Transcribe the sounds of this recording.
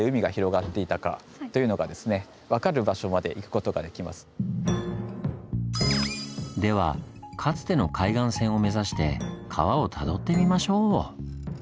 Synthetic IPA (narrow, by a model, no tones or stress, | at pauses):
eɯ̟mʲiɡaçiɾo̞ɡat̪ːe̞it̪aka̰ | t̪o̞jɯ̟no̞ɡad̪e̞sɨne̞ | βakaɾɯ̟baɕo̞mad̪e̞ʔikɯ̟̥ko̞t̪o̞ɡa̰d̪e̞kʲima̰sɨ̥ | d̪e̞β̞a̰kʰat͡sɨ̥t̪e̞no̞kʰaiɡãɰ̃sẽ̞ɰ̃o̞me̞zaɕi̥t̪e̞̰kʰa̰βao̞t̪ʰad̪o̞t̪ːe̞mʲimaɕo̞ː